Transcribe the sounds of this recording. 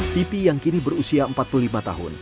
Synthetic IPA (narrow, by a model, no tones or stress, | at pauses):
t̪ipijaŋkinibəɾusiaəmpat̪̚pullimat̪a̰ɦʊ̰n